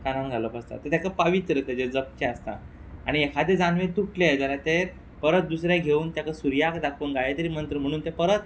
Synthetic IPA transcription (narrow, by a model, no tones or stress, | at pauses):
kanãnɡʱaləpəst̪a̰t̪ət̪jakapəʋit̪ɾət̪ad͡ʑed͡zəp̚t͡ɕeəst̪a̰ | a̰ɽ̃iekʰad̪ed͡zanʋet̪uʈled͡zalat̪e | pəɾət̪̚d̪usɾjaɡʱeuːnt̪jakasuɾjakd̪akʰuːnɡajet̪əɾiːm̤ənt̪ɾəm̤əɽ̃uːnt̪epəɾət̪